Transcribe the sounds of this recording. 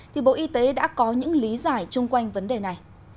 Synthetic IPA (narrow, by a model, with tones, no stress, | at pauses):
t̪ʰi˨˩ɓo̰˧˨ʔi˧t̪e˨˦ɗa̰ː˧˥kɔ˨˦ɲɨ̰˧˥ŋli˨˦zaː˧˩jt͡ɕʊ˧ŋ͡mkwa˧jŋ̟və˨˦nɗe˨˩na˨˩j